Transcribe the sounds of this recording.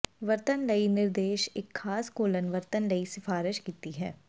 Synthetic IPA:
ʋɐɾt̪ənləinɪɾd̪eːʃekʰːaːskoːlənʋɐɾt̪ənləisɪfaːɾɪʃkiːt̪iɦɛ̰ː

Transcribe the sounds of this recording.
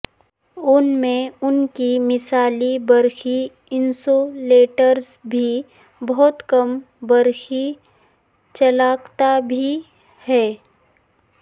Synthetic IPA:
ʊnmẽʊnkimɪsaːlibɐɾxi | ɪnsoleːʈəɾz | bʱi | bɔɦʊt̪kɐm | bɐɾxi | t͡ʃɐlaːkt̪abʱi | hɛː

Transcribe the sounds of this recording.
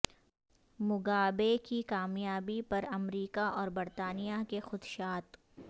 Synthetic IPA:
mʊɡaːbekikaːmjaːbipɐɾɐmɾiːkaʔɔːɾbɐɾt̪aːnijakexʊd̪ʃaːt̪

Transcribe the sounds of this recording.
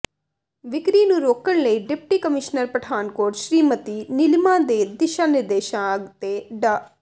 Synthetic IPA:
ʋɪkɾiːnũːɾoːkəɳləiːɖɪp̚ʈiːkəmɪʃnəɾpɾəɖʰʱaːnkoːɾʈʃɾiːmət̪iːnɪlmãːd̪eːd̪ɪʃaːnɪɾd̪eːʃãːəɡt̪eːɖaː

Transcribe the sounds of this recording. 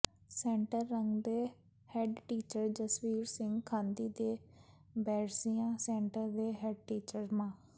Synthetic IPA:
sɛ̃ːɳʈəɾːəŋɡd̪eː | hɛɖʈiːt͡ʃəɾd͡ʒəswiːɾsɪ̃ŋɡkʰãːnd̪iːd̪eː | bɛːɾsijãːsɛ̃ːɳʈəɾd̪eːɦɛɖ̚ʈiːt͡ʃəɾmãː

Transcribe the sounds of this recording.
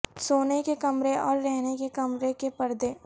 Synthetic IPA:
soːnekekɐmɾeɔːɾːɛɦnekekɐmɾekepɐɾd̪eː

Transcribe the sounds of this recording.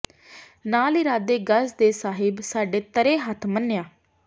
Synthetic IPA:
naːlɪːɾaːd̪eːɡəsd̪eːsaːɦɪbsaːɖeːt̪əɾeːɦət̪ʰmənːjaː

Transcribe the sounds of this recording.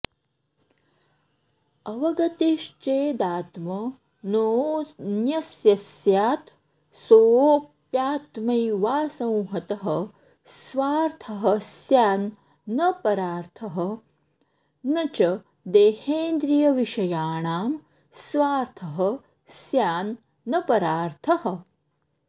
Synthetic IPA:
ɐʋɐɡɐt̪iʃt͡ʃeːd̪aːt̪mɐ | noːnjɐsjɐsjaːt̪ | soːp | jaːt̪mɐjʋaːsɐ̃wɦɐt̪ɐɦɐ̆ | sʋaːɾt̪ʰɐɦɐ̆sjaːnː | ɐpɐɾaːɾt̪ʰɐɦɐ̆ | nɐt͡ʃɐ | d̪eːheːnd̪ɾijɐʋiʃɐjaːɳaːm | sʋaːɾt̪ʰɐɦɐ̆ | sjaːnː | ɐpɐɾaːɾt̪ʰɐɦɐ̆

